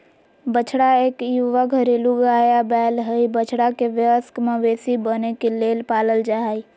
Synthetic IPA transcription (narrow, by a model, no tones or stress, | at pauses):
bət͡ʃʰɽaeːkjuʋakəɾeluɡaːjabɛːlɦəibət͡ʃʰɽakeʋjəəskmẽʋeːsibənekeleːlpaːləld͡ʒaɦi